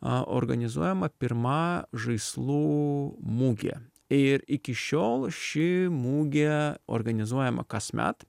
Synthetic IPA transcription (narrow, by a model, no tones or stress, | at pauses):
ʔo̰ɾɡɐnʲɪzuɔjɛmɐpʲɪɾmɑʒɐɪslˠuːmuːɡʲḛː | ɪɾɪkʲɪʃʲoːlˠʃʲɪmuːɡʲeo̰ɾɡɐnʲɪzuɔjɛmɐ̰kɐsmʲæ̰t̪